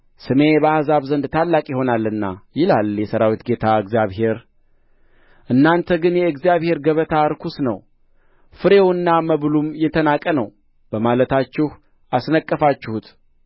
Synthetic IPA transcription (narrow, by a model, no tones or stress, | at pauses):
sɨme̞bəahzaβzənd̪t̪ʰalːakʼjɪho̞nalːɨnːa̰jɪlaljɛsəɾawit̪ɡe̞t̪ʰaɨɡzjaβɦe̞ɾ | ʔɨnːant̪ʰəɡɨnjɛɨɡzijaβhe̞ɾɡəβət̪ʰaɾkʰusnə̰w | fɨɾe̞wɨnːaməβlumjɛt̪ʰənakʼənəw | b̥əmalət̪ʰat͡ʃːɪh | ʔasnəkʼːəfat͡ʃːɪhut̪